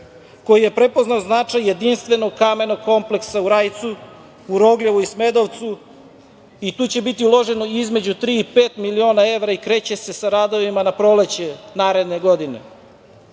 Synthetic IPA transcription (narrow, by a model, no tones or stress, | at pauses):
ko̞jije̞pɾe̞po̞znaoznat͡ʂajːe̞d̪inst̪ʋe̞noɡ̚kamenoɡ̚ko̞mple̞ksauɾajt̪su | uɾo̞ɡlʎeʋuisme̞d̪oʋt̪su | it̪uːt͡ɕe̞bit̪iulˠo̞ʒe̞noizme̞d͡ʑut̪ɾiːpe̞ːt̪milio̞ːnae̞ʋɾaikɾe̞ːt͡ɕe̞se̞saɾaːd̪o̞ʋimanapɾolet͡ɕenaːɾe̞d̪ne̞ɡod̪ine̞̰